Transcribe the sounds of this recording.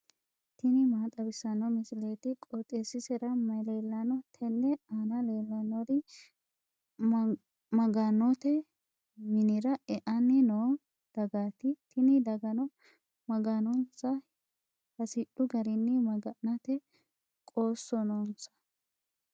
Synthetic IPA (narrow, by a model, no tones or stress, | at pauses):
t̪ɪnɪmaːt̪ʼɐbɪsːɐnːɔmɪsɪleːt̪ɪkʼɔt̪ʼesɪsɛɾɐmɐjleːlːɐnɔt̪ʰɛnːɛanɐleːlːɐnɔd̪ɪ | mɐɡɐnɔt̪ɛ | mɪnɪɾɐʔɛʔɐnːɪnoː | d̪̥ɐɡaːt̪ɪt̪ʰɪnɪd̪ɐɡɐnɔ | mɐɡɐnɔnsɐ | hɐsɪᶑʊɡɐɾɪnːɪmɐɡɐnɐt̪ɛ | kʼo̞ːsːɔnɔnsɐ̥